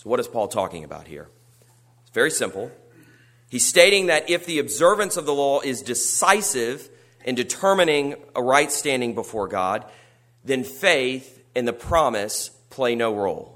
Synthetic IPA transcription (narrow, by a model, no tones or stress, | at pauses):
soʊwʌɾɨz̥pʰɔlˠtʰɔ̰kɪ̰̃ŋɨba̰ʊt̚hḭɹ | sv̥ɛɹisɪ̃mpl̩ˠ | iz̥steɪɾɪ̃ŋðɨɾʔɪfðiɨbzɜ˞vɨ̃nsʌvðəlɔʔɪzdɨsaɪsɪv | ʔɨ̃ndɨtʰɜ˞mɨnɪ̃ŋəɹaɪtstæ̃ndɪ̃ŋbəfɔɹɡɑ̰d̪̚ | ðɨ̃nfeɪθ | ɨ̃nðɨpʰɹ̥ɑmɨs | pʰl̥eɪnoʊɹoʊlˠ